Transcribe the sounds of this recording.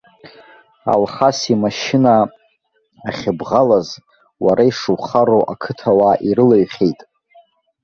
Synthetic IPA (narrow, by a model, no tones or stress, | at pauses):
a̰lχasimaʃɪna | aχʲɪbʁalaz | waɾaiʂɨwχaɾoʔakʰɨtʰawaʔiɾɨlaɥχʲejtʼ